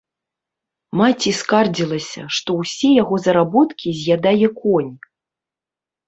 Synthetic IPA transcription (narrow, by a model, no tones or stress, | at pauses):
mat͡sʲiskard͡zʲilˠɐsʲɐ̰ʂt̪ɔwsʲɛjaɣɔzɐɾabɔt̪kʲizʲjad̪ajʲɛkɔnʲ